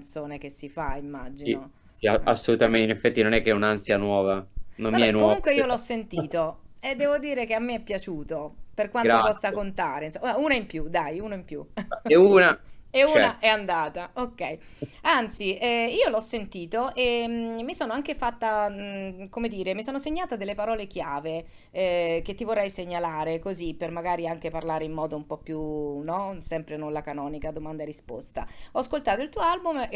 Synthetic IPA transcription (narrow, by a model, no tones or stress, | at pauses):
nt̪soːnek̟esːifaimːad͡ʒio | sia̰sːolut̪ament̪inefːɛt̪ːinonɛkːeɛunansjanwɔːvanommiɛnwkomɔuŋkweiːoloɔsːent̪iːt̪o | ed̪ːɛːvod̪iːɾekeamːeɛpːjat͡ʃuːt̪operkwanopɔst̪ːakont̪aːɾeinsouːnaimpjud̪ajuːnoimpjṵuːnaeuːnaʔɛand̪aːt̪aokːɛj | ant̪siɛiːolɔsːent̪iːt̪oʔemmːisoːnoaŋk̟efat̪ːa | komed̪iːɾemisoːnoseɲːaːt̪ad̪elːepaɾɔːlek̟jaːve | k̟et̪ːivorːɛjseɲːalaːɾekozipːermaɡaːɾiaŋk̟eparlaːɾeimːɔːd̪oumpɔpːjunɔsɛmpɾenonlakanɔːnikad̪omand̪aerispo̰st̪a̰ɔaskolt̪aːt̪oilt̪uːoalbum